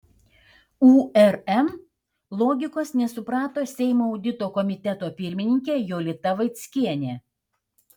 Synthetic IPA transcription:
uːɛɾɛm | lˠoːɡʲɪkoːsnʲɛsʊpɾɑːt̪oːsʲɛɪmoːɔʊd̪ʲɪt̪oːkɔmʲɪt̪ʲɛt̪oːpʲɪɾʲmʲɪnʲɪŋʲkʲeːjoːlʲɪt̪ɐʋɐɪt̪ʲsʲkʲiɛnʲeː

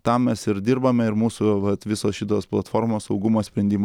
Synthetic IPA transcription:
t̪ɐmmʲɛsɪɾd̪ʲiɾbɐmʲɛɪɾmuːsuʋɐt̪ʋʲɪsoːsʃʲɪt̪oːsplˠɐt̪foːɾmoːssɐʊɡʊmoːsʲpʲɾʲɛnʲd̪ʲiːm

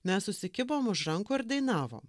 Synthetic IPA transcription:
mʲɛssʊsʲɪkʲɪboːmʊʃɾɐŋkʊːɪɾd̪ɐɪnɑːʋo̰ːm

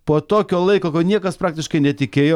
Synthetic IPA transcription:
poːt̪oːkʲoːlˠɐɪkoːkɐnʲiɛkɐspɾɑːk̚t̪ʲɪʃkɐɪnʲɛt̪ʲɪkʲeːjoː

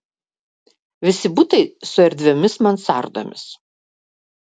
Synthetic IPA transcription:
ʋʲɪsʲɪbut̪ɐɪsʊɛɾʲd̪ʲʋʲɛmʲɪsmɐnsɑ̰ˑɾd̪o̰mʲɪ̰s

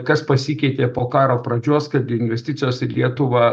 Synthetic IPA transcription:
kɐspɐsʲikʲɛɪt̪ʲeːpoːkɑːɾoːpɾɐd͡ʒʲuɔskɐt̪̚ɡʲɪɪnʲʋʲɛsʲt̪ʲɪt̪sʲɪjoːsɪlʲiɛt̪ʊʋɑː

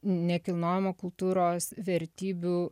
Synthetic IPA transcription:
nʲɛkʲɪlˠnoːjɛmoːkʊlˠt̪uːɾoːsʋʲɛɾʲt̪ʲiːbʲu

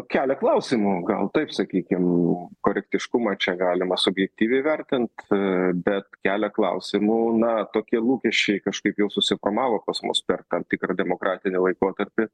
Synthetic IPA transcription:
kʲæːlʲɛklˠɐʊsʲɪmuːɡɐ̰lˠt̪ɐɪpsɐkʲiːkʲɪmkoːɾʲɛkt̪ʲɪʃkʊmɐt͡ʃʲɛɡɑːlʲɪmɐsʊbʲjɛk̚t̪ʲiːʋʲɛɪʋʲɛɾʲt̪ʲɪnt̪bʲɛt̪kʲæːlʲɛklˠɐ̰ʊsʲɪmunɐt̪oːkʲiɛlˠuːkʲɛʃʲt͡ʃʲɛɪkɐʃkɐɪpjɛʊsʊsʲɪformɑːʋoːpɐsmʊ̰spʲɛrt̪ɐmt̪ʲɪkrɐd̪ʲɛmoːkɾɑːt̪ʲɪnʲɪlˠɐɪkoːt̪ɐɾʲpʲɪ

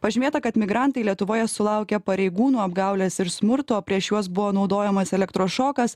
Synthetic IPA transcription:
pɐʒʲɪmʲeːt̪ɐkɐt̪mʲɪɡɾɑˑnt̪ɐɪlʲiɛt̪ʊʋoːjɛsʊlˠɑˑʊkʲɛpɐɾʲɛɪɡuːnuːɐbɡɑʊlʲeːsɪɾsmʊɾt̪oːpʲɾʲiɛʃjuɔs̬bʊʋoːnɒʊd̪oːjɛmɐsɛlʲɛkt̪ɾoːʃoːkɐs

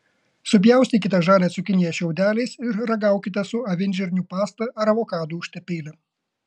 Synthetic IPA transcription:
sʊp̬ʲjɛˑʊst̪ʲikʲɪt̪ɐʒɑːlʲɛːsʊkʲɪnʲɪjɛʃʲɛʊd̪ʲæːlʲɛɪsɪɾɾɐɡɐˑʊkʲɪt̪ʲɛsʊɐʋʲɪnʲd͡ʒʲɛɾʲnʲupɑːst̪ɐɐɾɐʋoːkɑːd̪uːʊʃʲt̪ʲɛpʲeːlʲɪ

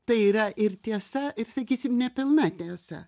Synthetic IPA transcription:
t̪ɐɪiːɾɐʔɪrt̪ʲiɛsɐʔɪɾsɐkʲiːsʲɪmnʲɛpʲɪlˠnɐt̪ʲiɛsɐ̰

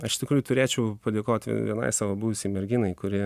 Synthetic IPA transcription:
ɐʃɪʃt̪ʲɪkɾuːjʊt̪ʊɾʲeːt͡ʃʲɛʊpɐd̪ʲeːkoːt̪ʲʋ̰ʲʋʲiɛnɐ̰ɪsɑːʋobuʋʲʊsʲɛɪmʲɛɾʲɡʲɪnɐɪkʊɾʲɪ

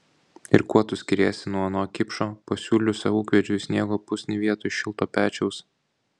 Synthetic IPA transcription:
ɪɾkuɔt̪ʊsʲkʲɪɾʲeːsʲɪnuɔɐnoːkʲɪpʃoːpɐsʲuːlʲʊsʲɐuːkʋʲɛd͡ʒʲʊsʲnʲiɛɡoːpʊsʲnʲiʋʲiɛt̪ʊʃʲɪlˠt̪oːpʲæːt͡ʃʲɛʊs

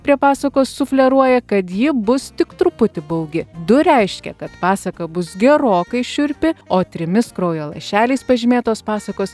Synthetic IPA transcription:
pʲɾʲiɛpɑːsɐkoːsːʊfʲlʲɛɾuɔjɛkɐt̪jɪbʊst̪ʲɪkt̪ɾʊpʊt̪ʲɪbɐʊɡʲɪd̪ʊɾʲɛɪʃʲkʲɛ̰kɐt̪pɑːsɐkɐbʊsɡʲɛɾoːkɐɪʃʲʊɾʲpʲɪoːt̪ʲɾʲɪmʲɪskɾɐʊjoːlˠɐ̰ɪʃʲæːlʲɛɪspɐʒʲɪmʲeːt̪oːspɑːsɐkoːs

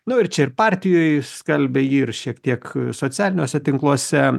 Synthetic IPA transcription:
nʊɪɾt͡ʃʲɛɪrpɑːɾʲt̪ʲɪjoːɪskɐlʲbʲɛiːrʃʲiɛkt̪ʲiɛksoːt̪t͡s̪sʲæːlʲɪnʲoːsʲɛt̪ʲɪŋklˠuɔsʲɛ

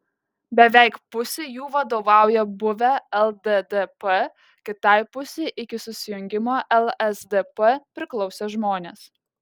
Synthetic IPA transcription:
bʲɛʋʲɛˑɪkpʊsʲejuːʋɐd̪oːʋɑˑʊjɛbʊʋʲɛɛlˠd̪ed̪ɛpɛ | kʲɪt̪ɑˑɪpʊsʲeɪʔɪkʲɪsʊsʲɪjʊŋʲɡʲɪmoːʔɛlˠɛsd̪ʲɛpɛpʲɾʲɪklˠɒʊsʲeːʒmoːnʲeːs

